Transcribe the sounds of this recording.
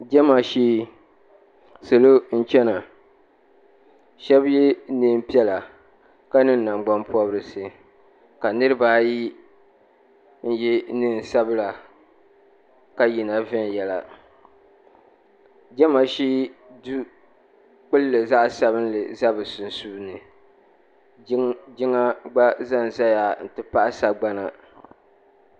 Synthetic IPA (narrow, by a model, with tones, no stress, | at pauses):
d͡ʒɛ˦ma˨ʃiː˦ | sɨ˨lo˦n̩˦t͡ʃɛ˦na˨ | ʃɛ˦bjɛ˦ne˦m˦pi˦ɛ˦la˨ | ka˦nɨ˦n˦na˨mɡ͡ba˦mpɔ˦bɾɨ˨sɨ˦ | ka˨nɨ˦ɾɨ˦baː˦ji˦ | n̩˦ji˦nɨ˦n˨sa˦bɨ˦la˨ | ka˦ji˨na˨vɛ˦n˨jɛ˦la̰˨ | d͡ʒɛ˦ma˨ʃi˦du˦ | k͡pɨ˦lːɨ˨za˦ʔsa˦βɨ˦nlɨ˨za˦bɨ˨sʊ˨n˨su˦nɨ˨ | d͡ʒɪ˦ŋa˦ɡ͡ba˦za˦n˨za˦ja˨n̩˨tɨ˨pa˦ʔa˦sa˦ɡ͡ba˦na˨